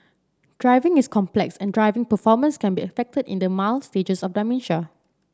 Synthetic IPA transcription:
d̥ɹaɪvɪ̃ŋiskʰɔ̃mplɛksɛ̃ndɹaɪvɪ̃ŋpəfɔmə̃nskɛ̃nbiəfɛk̚tədḭ̃ndəmalsted͡ʒəsɔfdaɪmĩnʃa

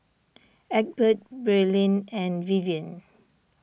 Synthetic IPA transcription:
ɛk̚bət̚bɹɛlĩnɛ̃nviviə̃n

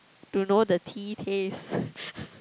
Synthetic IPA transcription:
tunodətʰitʰes

